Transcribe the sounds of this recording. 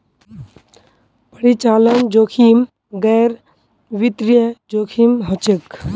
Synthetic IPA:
pəɾit͡ʃaːlənd͡ʒoːkʰim | ɡɛɾ | ʋit̪ɾijəd͡ʒoːkʰimɦɔt͡ʃek

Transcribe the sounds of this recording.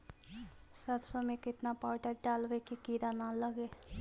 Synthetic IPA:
sət̪somẽkɪt̪napaːʈəɾɖaːlʋekikiːɾanaləɡeː

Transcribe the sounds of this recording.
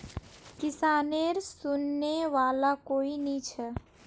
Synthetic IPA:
kɪsaːneɾsʊnːeʋaːlakoːinĩt͡ʃʰɛ

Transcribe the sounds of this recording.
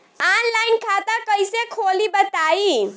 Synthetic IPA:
aːnlaɪnkʰat̪akəjsekʰolibət̪aːi

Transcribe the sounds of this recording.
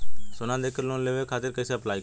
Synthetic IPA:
sonãːd̪eːkʰəɾloːnleːʋeːkʰaːt̪ɪɾkəɪseːplaːiː

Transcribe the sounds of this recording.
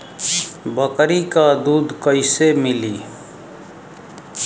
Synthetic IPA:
bəkɾikad̪uːd̪kəɪsemɪliː

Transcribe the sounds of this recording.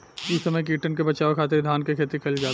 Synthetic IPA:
ʊsɐməjk̬iːʈənkebɐt͡ʃaːokʰaːt̪eɾd̪ʱaːnkekʰeːt̪ikʰɐld͡ʒaː

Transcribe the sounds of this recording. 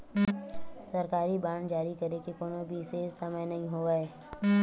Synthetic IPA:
sɐɾkaːɾibaːɳ̃d͡ʒaːɾikɐɾekekoːnobʱiseːssɐməjnɐɦĩɦoːɡaeː

